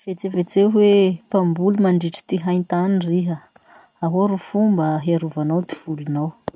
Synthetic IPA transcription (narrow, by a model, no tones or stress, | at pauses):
vet͡sevet͡sewepambulumaɳɖ͡ʐiʈ͡ʂi̥t̪iɦajnt̪aniriɦə | aɦoɾufumbəɦiaɾuvanawt̪i̥v̥ulunaw